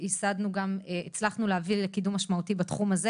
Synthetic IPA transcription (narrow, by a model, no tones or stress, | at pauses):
isad̪nuɡameet͡slaχnuleavilekidumːaʃmautibat̪χumaze